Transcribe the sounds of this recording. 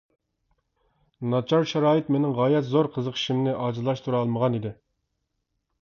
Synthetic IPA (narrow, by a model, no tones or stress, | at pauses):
nɑt͡ʃʰɑɾʃɛɾɑːjɨt̪menɪŋʁɑːjɛt̪zoɾqʰəzəqʰi̥ʃimnɪʔɑːd͡ʒɨlˠɑʃt̪ʰuɾɑlˠməʁɑnid̪ɪ